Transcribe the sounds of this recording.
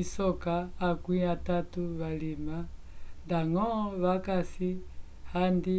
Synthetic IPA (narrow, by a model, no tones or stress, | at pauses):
isɔkaːkwĩatatuβalima | ndaŋɔβakasi | handi